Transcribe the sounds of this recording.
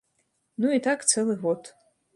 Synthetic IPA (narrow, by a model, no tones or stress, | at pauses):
nuitʰakt͡sʰelˠɨvotʰ